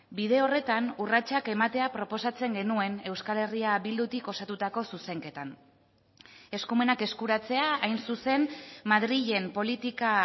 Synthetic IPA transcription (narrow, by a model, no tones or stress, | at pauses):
bið̞e̞o̞re̞t̪anurat͡ʃake̞mat̪e̞apɾo̞po̞sat͡se̞ŋɡe̞nue̞ne̞wskale̞riaβild̪ut̪iko̞sat̪ut̪ako̞suse̞ŋke̞t̪an | e̞skume̞nake̞skuɾat͡se̞aːjnsuse̞nmaðɾiʎe̞mpo̞lit̪ika